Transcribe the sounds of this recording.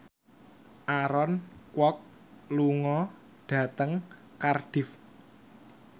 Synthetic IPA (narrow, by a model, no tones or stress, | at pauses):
ʔaɾɔnkwɔk̚ | luŋɔ | ɖ̥ä̤t̪əŋ | karɖ̥ɪ̤f